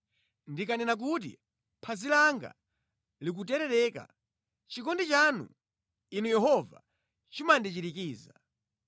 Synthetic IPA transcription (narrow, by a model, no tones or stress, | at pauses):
ndikanɛnak̬ut̬ḭ | pʰazilaŋɡa̰ | lik̬utɛɾɛɾɛːka̰ | t͡ʃikɔndɛt͡ʃanṵ | inujɛɦɔva̰ | t͡ʃimandit͡ʃiɾikiːza